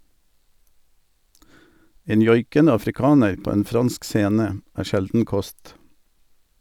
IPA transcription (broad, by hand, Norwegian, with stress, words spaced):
ˈeːn ˈjɔʏkənə ɑfɾɪˈkɑːnəɾ ˈpoː ˈeːn ˈfʁɑnsk ˈseːnə ˈæː ˈʃɛldn̩ ˈkɔst